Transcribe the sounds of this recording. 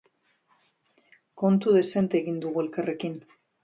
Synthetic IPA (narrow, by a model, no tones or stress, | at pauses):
ko̞nt̪uðe̞se̞nt̪eɣind̪uɣue̞lkare̞kin